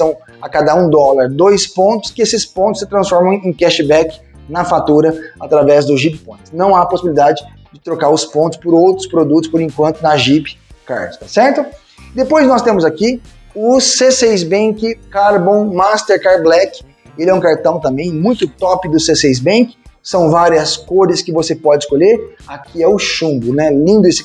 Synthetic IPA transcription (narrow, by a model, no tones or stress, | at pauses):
sɐ̃w̃ | akad̪ɐũd̪ɔlaɾd̪ojspõnt̪ʊ̥skɪesɪspõt̪ʊsɪt̪ɾɐ̃sfɔɾmɐ̃w̃ẽj̃kɛʃɪbɛkɪ̥ | nɐfat̪uɾɐat̪ɾavɛzd̪ʊʒipɪpõj̃t̪ɪ̥nɐ̃w̃aposibilid̪ad͡ʒɪ | d͡ʒɪt̪ɾokaɾʊspõnt̪ʊ̥spʊɾowt̪ɾʊspɾod̪ut̪ʊspoɾẽŋkwɐ̃nt̪ʊnɐʒipɪ̥ka̰ɾʊt̪asɛɾt̪ʊ | d̪epojznɔst̪ẽmʊzaki | ʊsesejzbẽkɪkaɾbõw̃mast̪eɾkaɾblɛkɪ̥ | elɪɛũkaɾt̪ɐ̃w̃t̪ɐ̃mbẽj̃mũj̃t̪ʊt̪ɔpɪd̪ʊsesejz̬bẽkɪ̥sɐ̃w̃vaɾiɐskoɾɪskɪvosepɔd͡ʒɪskoʎeɾakʰiɛʊʃũbʊnɛlĩnd̪ʊesɪ̥